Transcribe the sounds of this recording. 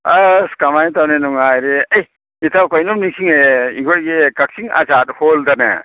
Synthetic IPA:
askamajt̪awnenuŋajɾeɐj | it̪ʰawkɔjnumniŋsiŋeḭɡɔɾɡekak̚siŋa̰zat̪̚holdana̰

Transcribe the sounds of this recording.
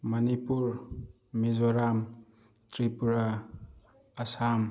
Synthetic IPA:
mɐnipuɾ | mizoɾam | t̪ɾipuɾaː | sam

